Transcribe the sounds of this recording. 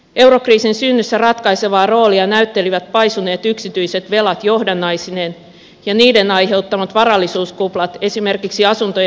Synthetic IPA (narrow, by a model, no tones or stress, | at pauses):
e̞wɾo̞kriːsinsynːysːærɑt̪kɑjse̞ʋɑːro̞ːliɑnæyt̪ːe̞liʋæt̪̚pɑjsune̞ːt̪yksit̪yjset̪ʋe̞lɑt̪jo̞hdɑnːɑjsine̞n | jɑniːde̞nɑjɦe̞wt̪ːɑmɑt̪ʋɑrɑlːisuːskuplɑt̪e̞sime̞rkiksiɑsunt̪o